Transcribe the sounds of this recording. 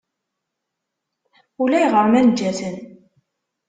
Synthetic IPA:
ulæjʁəɾmænd͡ʒːæθən

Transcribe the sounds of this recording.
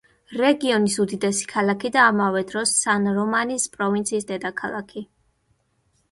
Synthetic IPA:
ɾɛɡiɔnisud̪id̪ɛsi̥kʰalˠakʰid̪aːmavɛd̪ɾɔsːanɾɔmanispʼɾɔvint̪sʰiːsd̪ɛd̪akʰalˠakʰi

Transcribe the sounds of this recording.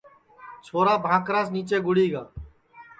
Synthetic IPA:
t͡ʃʰoːɾaːbʱãːkɾaːsniːt͡ʃeːɡʊɽiːɡaː

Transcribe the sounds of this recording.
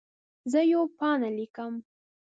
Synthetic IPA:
zəjopɑnalikəm

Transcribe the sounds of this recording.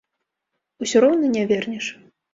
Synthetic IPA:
usʲuɾɔwnɨnʲavʲɛrnʲɛʂ

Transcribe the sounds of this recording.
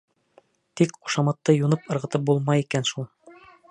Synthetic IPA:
t̪ikχu̥ʃɑmɑt̪ːɤjunɤpɤ̆ɾʁɤ̆t̪ɤp̚bulˠmɑjikænʃulˠ

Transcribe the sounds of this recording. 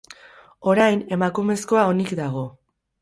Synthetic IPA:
o̞ɾajne̞makume̞sko̞ao̞nikd̪aɣ̞o̞

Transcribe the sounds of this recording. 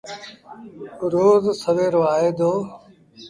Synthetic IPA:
ɾoːzsəʋeːɾoaːɦeːd̪oː

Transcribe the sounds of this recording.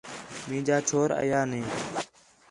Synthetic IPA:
mĩːd͡ʒaːt͡ʃʰoːɾə̰jaːnẽː

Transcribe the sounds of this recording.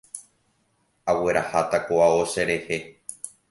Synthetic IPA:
awe̞ɾahat̪akoaoʃeɾe̞he̞

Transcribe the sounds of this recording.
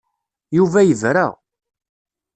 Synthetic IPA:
juvæjəvɾa̰ʁ

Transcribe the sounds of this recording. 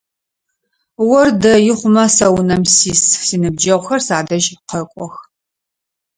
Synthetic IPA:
wɔrdɐjɪχʷʊmɐsɐwnɐmsiːssinɨb̚d͡ʒɐʁʷxɐrsaːdɐʒqɐkʷʼɔx

